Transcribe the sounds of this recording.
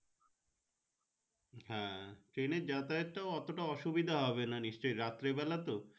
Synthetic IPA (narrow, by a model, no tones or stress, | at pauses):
hɛ̃ʈɾeneɾd͡ʑat̪aet̪ʈaoɔt̪oʈaɔʃubid̪ʱaɦɔβenaniʃt͡ɕojɾat̪ːɾebɛlat̪o